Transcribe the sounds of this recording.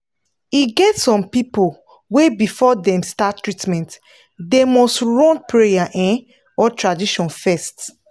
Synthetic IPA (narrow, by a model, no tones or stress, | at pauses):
iɡɛtsɔ̃npipol | webifɔdɛ̃mstattːɹitmɛ̃nt | demɔstɹɔ̃npɹejaʔɛ̃n | ɔtʰɹadiʃɔ̃nfɛst